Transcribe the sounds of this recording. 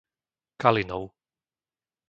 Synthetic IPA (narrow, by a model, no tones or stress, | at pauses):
kalinɔʊ